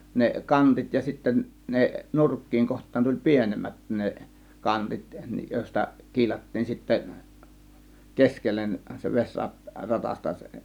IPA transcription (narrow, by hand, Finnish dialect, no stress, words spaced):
ne kɑntit jɑ sitːen ne nurkːiːŋ kohtˑɑːn tulʲ pienemːæt ne kɑntit joˑe̝stɑ kiːlɑtːiːn sitːæ keskelːen se ʋesʲrɑt rɑtɑstɑ se